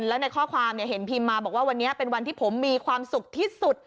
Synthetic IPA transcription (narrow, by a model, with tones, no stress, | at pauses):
nlɛː˦˥wna˧jkʰɔː˥˩kʰwaː˧mni˨˩ɦe˩˦npʰiː˧mːaː˧bɔː˨˩k̚waː˥˩wa˧nːi˦˥ɐpe˧nwa˧nt̪ʰiː˥˩pʰo˩˦mːiː˧kʰwaː˧msu˨˩k̚t̪ʰiː˥˩su˨˩t̪̚